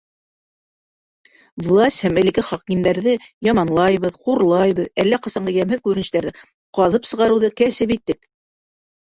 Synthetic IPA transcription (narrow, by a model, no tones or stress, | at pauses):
vlˠasʲhæmæ̆likɘχɑqmind̪æɾðɘjɑmɑnlˠɑjβɤðquɾlˠɑjβɤðælːæqɑsɑɴɢɑjæmhɘðkʉɾɘ̆nɘ̆ʃt̪æɾðɘ | qɑðɤpsɤ̆ʁɑɾɤ̆wðɤkæsɘpit̪ːɘk